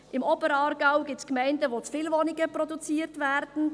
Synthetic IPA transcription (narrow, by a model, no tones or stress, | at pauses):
ʔɪmobəɾɑːɾɡɑʊɡɪp̚tskmæɪndəʋot͡sfiːlvonɪɡəprɔdut͡siːəɾtvæːɾd̥n̩